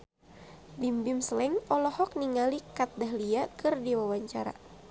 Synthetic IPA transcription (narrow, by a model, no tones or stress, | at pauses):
bimbimsəlɛŋɔlɔhɔk̚niŋalikat̪̚daɦliakɨrdiwawaɲt͡ʃaɾa̰